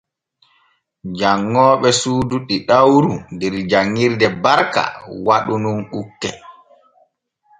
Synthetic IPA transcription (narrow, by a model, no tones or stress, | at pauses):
d͡ʒaŋːɔːɓɛsuːduɗiɗawɾundɛɾd͡ʒaŋːiɾdɛbaɾka̰waɗununɗukːɛ̰